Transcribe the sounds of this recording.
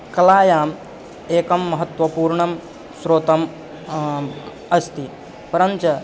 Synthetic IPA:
kɐlaːjaːm | eːkɐmːɐɦɐt̪ʋɐpuːɾɳɐm | sɾoːt̪ɐm | ɐst̪i | pɐɾɐnt͡ʃɐ

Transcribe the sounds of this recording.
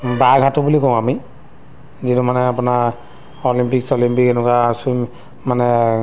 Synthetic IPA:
baɡʱatʊbulikɔ̃ami | zitumanɛapuna | ɔlimpiksɔlimpikɛnʊkasu | manɛ

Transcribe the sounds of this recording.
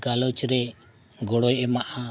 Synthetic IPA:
ɡalɔt͡ʃɾɛ | ɡɔɽɔjɛmaʔa

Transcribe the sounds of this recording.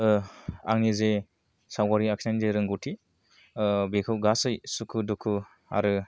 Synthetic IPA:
a̰ŋnize | sawɡaɾiakʰnanzeɾɯŋɡutʰi | bekʰɯwɡasɯjsukʰɯdukʰɯ | a̰ɾɯ

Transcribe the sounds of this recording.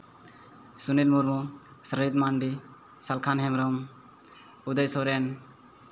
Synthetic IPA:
sunilmuɾmɔsɾit̪manɖi | salkʰanɦɛmɾɔm | ud̪əjsɔɾen

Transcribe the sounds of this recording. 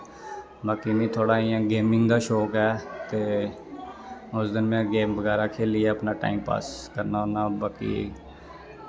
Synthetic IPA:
baːkimẽːt̪ʰoːɽaːɪãːɡeːmɪ̃ŋɡd̪aːʃoːkɦɛːt̪eː | ʊsd̪ɪnmẽɡeːmbəɣɛːɾaːkʰeːlɪeːəpnaːʈa̰ːimpa̰ːskəɾnaonaːbaːkḭ

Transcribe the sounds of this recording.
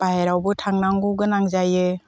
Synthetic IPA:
paɦeɾawbɯtʰaŋnaŋɡuɡɯnaŋzajɯ

